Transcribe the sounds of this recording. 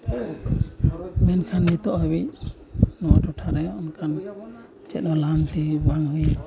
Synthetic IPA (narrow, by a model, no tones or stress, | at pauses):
mɛnkʰannit̪ɔʔɦɔbic | nɔwaʈɔʈʰaɾɛjɔɔnkʰan | t͡ʃɛt̪̚ɗɔlant̪ibaŋi